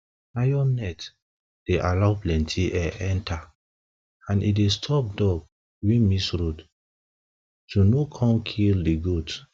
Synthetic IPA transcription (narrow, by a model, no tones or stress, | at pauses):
najɔnɛt | d̥eʔalaʊplɛ̃ntʰiʔɛʔɛ̃ntʰa | ãnʔḭdestʰɔp̚dɔɡ̚ | wimisɹud | tunokʰɔ̃mkʰildiɡud